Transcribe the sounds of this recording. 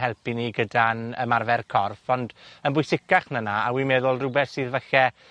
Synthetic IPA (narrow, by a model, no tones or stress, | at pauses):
hɛlˠpiniɡədanə̰marvɛrkʰɔrfɔndənbʊjsɪkaχnənaawimɛðʊlˠrʊbɛθsɨːðvɛɬɛ